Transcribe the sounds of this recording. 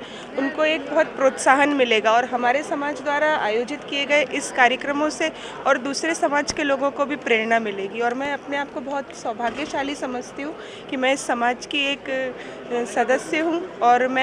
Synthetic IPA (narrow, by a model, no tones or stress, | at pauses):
ʊnkoeːk̚bɐɦʊt̪̚pɾoːt̪saːɦənmɪleːɡaɔːɾɦɐmaːɾesɐmaːd͡ʒd̪waːɾaa̰ːjoːd͡ʒɪt̪kieɡɐeʔɪskaːɾjəkɾəmõse | ɔːɾd̪uːsɾesɐmaːd͡ʒkeloːɡõkobʱipɾeːɾnamɪleːɡiɔːɾmɛ̃ɐpneaːp̚kobɐɦʊt̪swɐbʱaːɡjəʃaːlisɐməd͡ʒt̪iɦũ | kimɛ̃ɪsːɐmaːd͡ʒkieːk | sɐd̪əsjəɦũɔːɾmɛ̃